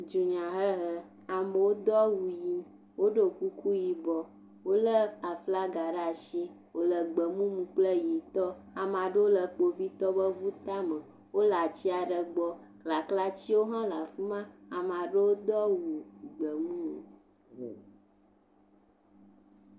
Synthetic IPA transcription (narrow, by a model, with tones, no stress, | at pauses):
d͡ʒu˨ɲã˨ɦə˦ɦə˦ | a˨mə˨wo˦d̪ɔ˦wu˨ji˦ | wo˦ɖə˨ku˦ku˦ji˨bɔ˨ | wo˦lə˦a˨fla˦ɡa˨ɖa˨ʃi˦ | wo˨lə˨ɡ͡bə˨mũ˦mũ˨k͡plə˦ji˨t̪ɔ˦ | a˨mã˨ɖə˦wo˦lə˨k͡po˨vi˦t̪ɔ˦bə˦vu˦t̪a˦mə˨ | wo˦la˨t͡ɕi˦a˨ɖə˨ɡ͡bɔ˦ | kla˨kla˦t͡ɕi˦wo˦ɦã˦la˨fi˦mã˦a˨mã˨ɖə˦wo˦d̪ɔ˦wu˨ɡ͡bə˨mũ˦˨